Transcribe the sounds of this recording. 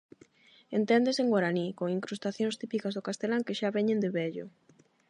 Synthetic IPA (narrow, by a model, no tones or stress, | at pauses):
ent̪ɛnd̪eseŋɡwaɾanikoŋiŋkɾust̪aθjõŋst̪ipikazðokast̪elaŋkɪʃaβɛɲend̪ɪβɛʎʊ̰